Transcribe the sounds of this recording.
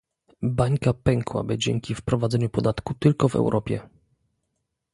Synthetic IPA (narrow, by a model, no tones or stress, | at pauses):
baɲkapɛŋkwa̰bɘd͡ʑɛŋkʲifpɾɔvad̪zɛɲupɔd̪at̪kut̪ɘlkɔvɛ̰wɾʔɔpʲjɛ̰